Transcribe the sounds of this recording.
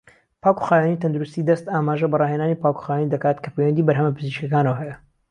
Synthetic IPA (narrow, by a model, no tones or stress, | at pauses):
pʰaːku̥xaːjanit̪ʰɐnd̪uɾust̪iːd̪ɐst̪aːmaːʒɐbɐrɑːɦeːnaːnipaːku̥xaːjaːnid̪ɐkaːt̪kʰɐ̥pewɐnd̪iːbɐɾɦɐmɐpɨziʃkʲjɐkaːnɐwɦɛjɐ